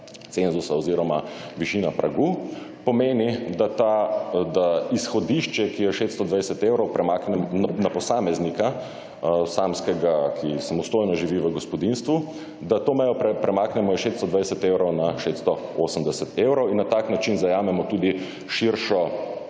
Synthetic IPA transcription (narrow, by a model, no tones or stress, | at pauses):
t̪senzusaɔziːɾɔmaʋiʃiːnapɾʔa̰ɡupɔmeːnid̪at̪ad̪aisxɔd̪iʃt͡ʃɛkijɛʃet̪st̪ɔd̪ʋajsɛt̪ewɾɔwpɾɛmaknɛmnnapɔsaːmɛznika | saːmskɛɡakʰisamɔst̪oːjnɔʒiʋiʋəɡɔspɔd̪inst̪ʋu | d̪at̪oːmɛjɔɛpɾɛmaːknɛmɔjɛʃet̪st̪ɔd̪ʋajsɛt̪ewɾɔwnaʃet̪st̪ɔoːsəmd̪ɛsɛt̪ewɾɔwinːat̪aːknat͡ʃinzajaːmɛmɔt̪uːd̪i | ʃiɾʃɔ